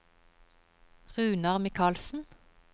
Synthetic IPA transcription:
ʁʉːnɑʁmɪkʰɑːlsn̩

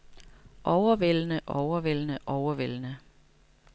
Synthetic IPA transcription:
ʔɒʊɐʋelnəʔɒʊɐʋelnəʔɒʊɐʋel̰nə

